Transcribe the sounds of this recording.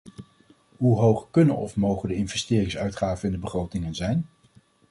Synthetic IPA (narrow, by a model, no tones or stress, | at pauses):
ɦuɦowχkɵnə̰nɔfmowχəndəɪnvɛstɪːrɪŋsœɥtχaːvənɪndəbəχrowtɪŋənzɛjn